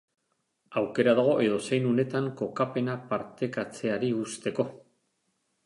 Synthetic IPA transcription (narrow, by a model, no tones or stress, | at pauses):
awke̞ɾað̞aɣ̞o̞ʔe̞ðo̞se̞jnune̞t̪aŋko̞kape̞napaɾt̪e̞kat͡se̞aɾiust̪e̞ko̞